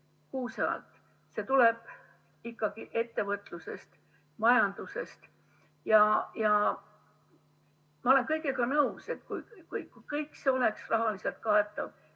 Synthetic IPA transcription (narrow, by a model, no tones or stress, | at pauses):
kuːseɑ̰lt̪ˑ | se̞t̪ule̞b̥ | ikːɑɡ̥iʔe̞t̪ːe̞vɤt̪ːˑluse̞st̪ | mɑjɑnd̪use̞st̪ | jɑjɑ | mɑo̞le̞nkɤjkekɑnɤuse̞t̪kujkujkujkɤjkːˑseo̞le̞ksrɑɦɑlise̞lt̪̚kɑe̞t̪ˑːɑv